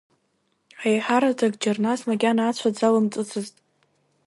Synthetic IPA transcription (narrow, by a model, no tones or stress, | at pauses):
ʕajħaɾatʰʼaɡd͡ʒarnasmaɡʲanaːt͡ɕʷʰad͡zalɨmt͡sʼɨt͡sʰɨztʼ